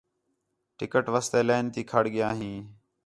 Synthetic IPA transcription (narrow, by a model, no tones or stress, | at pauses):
ʈɪkəʈʋəst̪eːleːnt̪iːkʰəɽɠɪjaːɦĩː